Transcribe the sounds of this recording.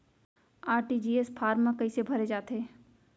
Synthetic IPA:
aːɾʈid͡ʒiːespʰaːɾmãkəɪsebʱɐɾed͡ʒaːt̪ʰeː

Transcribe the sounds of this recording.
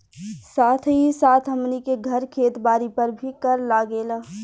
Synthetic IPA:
saːt̪ʰɦisaːt̪ʰɦəmnikeɡʱɐɾkʰeːt̪baːɾipəɾbʱikəɾlaːɡeːlə

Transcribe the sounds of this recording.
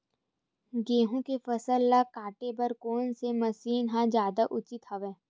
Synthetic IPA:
ɡeːɦũkefɐsəlːakaːʈebɐɾkoːnsemɐsiːnɦãd͡ʒjaːd̪aʔʊt͡ʃɪt̪ɐʋẽː

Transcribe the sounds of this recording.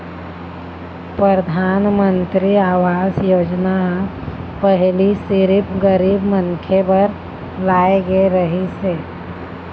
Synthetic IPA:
pɾəɾd̪ʱaːnmə̃nt̪ɾiaːwaːzjoːd͡ʒnaɦãpəɦlisɪɾɪpɡəɾiːbməŋkʰebəɾ | laːeɡeɾəɦiseː

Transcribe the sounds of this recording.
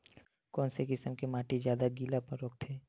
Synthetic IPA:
kɔːnsekɪsəmkemaːʈizjaːd̪aɡiːlapɐɾoːk̚t̪ʰeː

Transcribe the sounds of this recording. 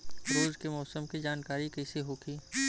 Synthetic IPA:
ɾoːzkemɔːsəmkid͡ʒaːnkaːɾikɛːseɦoːkiː

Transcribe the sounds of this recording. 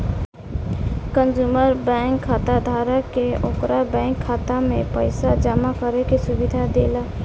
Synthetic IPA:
kə̃nzuːməɾbɛ̃ːŋkʰːaːt̪ad̪ʱaːɾəkeoːkɾʔabɛ̃ːŋkʰːaːt̪amẽpəɪsad͡ʒamakəɾekisʊbɪd̪ʱad̪eːlaː

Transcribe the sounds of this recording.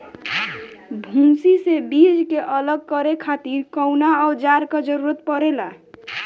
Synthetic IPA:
bʱũmsisebid͡ʒkeʔələɡ̚kəɾekʰat̪iɾkəwnaɔd͡ʒaɾkad͡ʒəɾuɾət̪̚pəɾela

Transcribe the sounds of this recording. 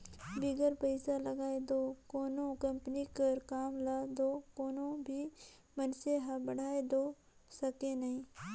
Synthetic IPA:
bɪɡəɾpəɪsalɐɡaːed̪oːkoːnõkɐmpnikəɾkaːmlaːd̪oːkoːnõbʱi | mənseɦabəɽ̤aːed̪oː | sɐkenɐɦĩː

